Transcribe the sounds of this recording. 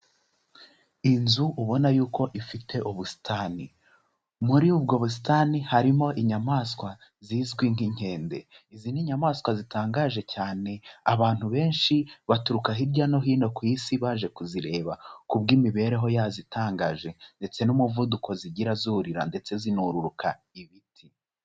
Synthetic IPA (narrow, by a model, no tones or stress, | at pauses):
inzuʔuβo̞najuːko̞ʔifitʰe̞ʔuβusi̥tʰaːni | muɾiub̚ɡo̞βus̬i̥tanihaɾimo̞ʔiɲamaːskwa | ziːzɡwiŋhiɲ̥he̞ːnde̞ | iziːniɲamaːskwazitaːŋɡaʒe̞caːne̞aβaːn̥huβe̞ːnʃiβatuɾukaɦiɾɟano̞ɦiːno̞kwisiβaːʒe̞kuziɾe̞ːβakub̚ɡiːmiβe̞ːɾe̞ɦo̞jazitʰaːŋɡaʒe̞nde̞t͡se̞numuvudukʰo̞ziɟiɾazuɾiɾa̰nde̞t͡se̞zinuɾuɾukʰa | iβitʰi